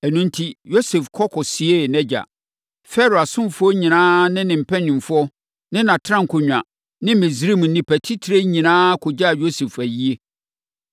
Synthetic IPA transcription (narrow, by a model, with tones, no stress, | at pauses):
ɛ˨nũ˦n̩˦tʰi˦jo˦sɛ˨fkʰɔ˦kʰɔ˨si˨e˦˨nɛ˦d͡ʑa̰˨ | fɛ˦ɾo˨a˨sʊ̃˦m˨fʊ˦ɔ˦ɲĩ˨nãː˦nɪ̃˦nɪ̃˨m̩˨pʰɛ̃˦nʊ̃˨m˨fʊ˦ɔ˦ | nɪ̃˦nã˨tʰɾã˦ŋ˨kʰʊ˨ɲᶣ˨ã˨ | nɪ̃˦mɪ̃˨sɾi˦˨m̩˨nĩ˦pʰɛ˨tʰi˦tʰɾe˦ɲĩ˨nãː˦kʰo˨d͡ʑa˦˨jo˦sɛ˨fæ˨ji˦e˦